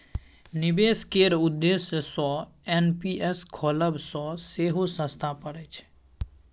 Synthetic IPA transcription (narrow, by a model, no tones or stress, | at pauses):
nɪbeskeɾʊd̪ːessɔ | enpiʔeskʰɔləbsɔseɦosə̃st̪ʰapəɽet͡ʃʰ